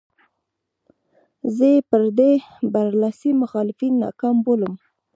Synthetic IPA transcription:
zəjepəɾd̪ebaɾlasimʊxɑlɪfinːa̰kɑmboləm

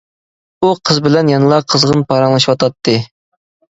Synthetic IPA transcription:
uqʰəzbɪlɛnjɑnɨlˠɑqʰəzʁənpʰɑɾɑŋlˠɑʃwɑt̪ʰɑt̪ʰːɨ

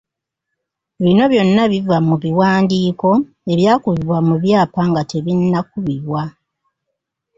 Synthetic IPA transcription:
βino̞βjo̞nːaβivamuβiwaːndiːko̞ | e̞βjaːkuβiβwamuβjaːpaŋɡatʰe̞βinːak̚uβiβwa

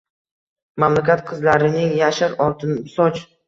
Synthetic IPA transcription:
mamlakʲat̪qʰɨzlaɾɪnɪŋjaʃaɾɒlt̪ʰɪnbɪsɒt͡ʃ

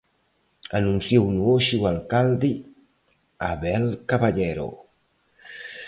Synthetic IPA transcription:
anunsjownuoʃiwalkald̪i | a̰βɛlkaβaʎɛɾo̰

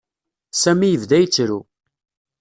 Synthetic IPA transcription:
sæmijəvd̪æjət͡sːɾu

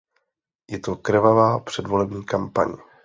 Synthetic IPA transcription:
jɛt̪okrvavaːpr̥ɛdvo̞lɛbɲiːkampa̰ɲ

